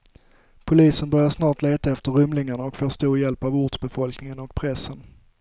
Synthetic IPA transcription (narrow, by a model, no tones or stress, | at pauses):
pʰʊliːsənbœɾjaʂnɑːʈleːt̪aɛft̪əɾɵmlɪŋaɳaɔkfoːʂt̪uːɾjɛlpavʊʈsbɛfɔlknɪŋənɔkpʰɾɛsːən